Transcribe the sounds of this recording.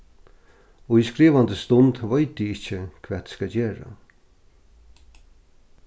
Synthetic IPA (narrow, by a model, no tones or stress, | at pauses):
oiskɾiːʋand̪əst̪ɔnd̪ʋœɪt̪̚d̪iːɪt͡ʃəkʰʋɛːt̪skɑd͡ʒeːɾa̰